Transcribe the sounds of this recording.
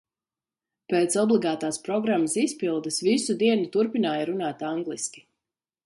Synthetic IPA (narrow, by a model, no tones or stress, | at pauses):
peːt̪sɔblˠiɡaːt̪aːspɾɔɡɾamːəsispilˠd̪əsvisud̪iɛnut̪uɾpinaːjaɾunaːt̪aŋɡlˠiskʲi̥